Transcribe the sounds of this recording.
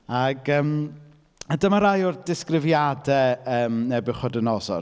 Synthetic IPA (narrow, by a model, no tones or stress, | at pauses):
aɡəːm | ədəmaɾajʊrd̥ɪskrɪvjadɛəːmnɛbɪχɔdənɔzɔ̰r